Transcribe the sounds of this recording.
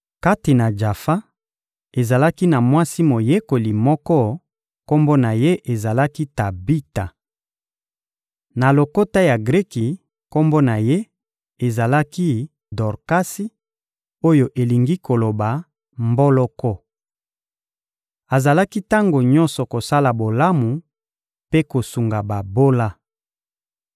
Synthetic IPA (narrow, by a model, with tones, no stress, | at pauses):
ka˦ti˨na˨d͡ʒa˨fa˦ | e˨za˨la˦ki˦na˨mwa˦si˦mo˨je˦ko˨li˨mɔ˦kɔ˦ | ko˦mbo˦na˨je˦ʔe˨za˨la˦ki˦ta˨bi˦ta˨ | na˨lo˨ko˦ta˦ja˨ɡʁi˦ki˨ | ko˦mbo˦na˨je˦ | e˨za˨la˦ki˦ | dɔ˨ʁka˦si˦ | o˦jo˨ʔe˨li˨ŋɡi˦ko˨lo˨ba˨ | mbɔ˦lɔ˦kɔ˦ | a˨za˨la˦ki˦ta˦ŋɡo˨ɲɔ˦nsɔ˨ko˨sa˦la˨bo˨la˦mu˨ | pe˦ko˨su˨ŋɡa˨ba˨bo˦la˦